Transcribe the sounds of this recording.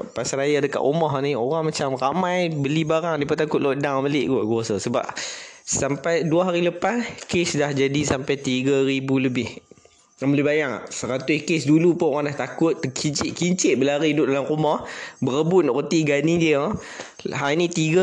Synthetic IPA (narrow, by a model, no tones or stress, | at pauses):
pasɾajadəka̰ʔumɔɦnioɾaŋmat͡ʃamramajbəlibaɾaŋdipaʔt̪akʊt̪̚loʔdaŋməlɪʔɡɔʔɡuasəsəba̰p̚sampajduaɦaɾiləpaskesdahd͡ʒadisampajt̪iɡəɾibuləbɪh | aməlibajaŋa̰ʔsəɾat̪ʊskesdulupʊoɾaŋdaht̪akʊt̪ːəkʰiɲt͡ʃɪʔkiɲt͡ʃɪʔ̚bəlaɾiidʊʔ̚dalaŋkumɔhbəɾəbʊnɔʔkət̪iɡanidiə | ɦainit̪iɡə